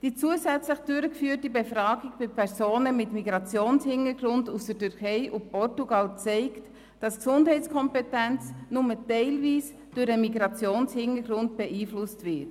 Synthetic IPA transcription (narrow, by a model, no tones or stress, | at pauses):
d̥iːt͡suəsæt͡sləχd̥ʏɾəkfyːətibefɾɑːɡik̚b̥ɪpʰɛɾsoːnəmɪtmiɡɾɑt͡sjoːnshɪnəɾɡɾʊndusd̥ətʏɾkʰɛɪʔupɔrtuɡɑlt͡sɛɪkt | d̥ɑsksʊndɦɛɪt͡skʰɔmpɛtænt͡snʊmətɛɪlviːs | d̥ʉɾəmiɡɾɑt͡sjoːnshɪnəɡɾʊnd̚b̥ɛʔiːflʊstvɪt